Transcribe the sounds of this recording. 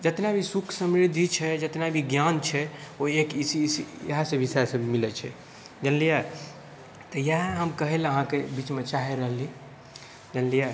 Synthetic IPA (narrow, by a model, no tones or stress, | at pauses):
d͡ʒət̪nabʱisukʰsəmɾid̪ʱit͡ʃʰɛd͡ʒət̪nabʱiɡjant͡ʃʰɛoekisisiɦasẽbisɛsẽmilɛt͡ʃʰɛ̰ | d͡ʒənlija | t̪ɔjaɦɦəmkəɦeləɦãkebit͡ʃmet͡ʃaɦɛɾəɦli | d͡ʒənlija